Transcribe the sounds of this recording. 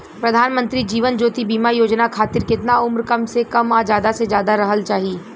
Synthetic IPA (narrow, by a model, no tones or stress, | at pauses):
pɾɐd̪ʱaːnmə̃nt̪ɾid͡ʒiːʋənd͡ʒoːt̪ibiːmajoːd͡ʒnakʰaːt̪ɪɾkɪt̪naʊmɾkɐmsekɐmad͡ʒjaːd̪ased͡ʒjaːd̪aɾɐɦəlt͡ʃaːɦiː